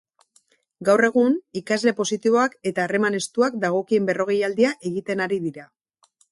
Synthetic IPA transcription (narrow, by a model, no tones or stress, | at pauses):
ɡawre̞ɣ̞unikazle̞po̞sit̪iβ̞o̞ake̞t̪aːre̞mane̞st̪uak̚d̪aɣ̞o̞kie̞mbe̞ro̞ɣ̞e̞jald̪iaʔe̞ɣ̞it̪e̞naɾiðiɾa